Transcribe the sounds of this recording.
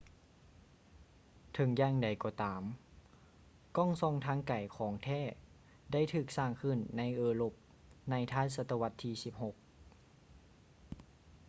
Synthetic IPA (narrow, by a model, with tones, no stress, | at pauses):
t̪ʰɤ˨˧˦ŋjaː˧˩ŋda˨˩jkɔː˧˩t̪aː˨˦m | kɔː˥˩˨ŋsɔ˧˨ŋt̪ʰaː˧˥ŋka˨˩jkʰɔː˩˦ŋt̪ʰɛː˥˩ | da˥˩˨jt̪ʰɯː˧˩k̚saː˧˩ŋkʰɯ˧˩˨nːa˧˥jʔɤː˧lo˧˩p̚ | na˧˥˩jt̪ʰaː˥˩sa˧t̪ːa˧wa˧˥t̪ʰːiː˧˩si˧˦p̚ho˧˦k̚